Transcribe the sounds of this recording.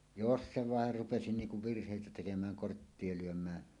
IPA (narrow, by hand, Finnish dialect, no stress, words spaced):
jos se ʋɑˑer rupesi niːŋ kuʋ ʋirhˑeˑitæ tekemæːn kortːie luømˑæː